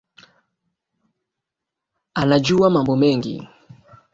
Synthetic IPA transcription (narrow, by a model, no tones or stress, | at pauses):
anad͡ʒuamambɔmɛŋɡḭ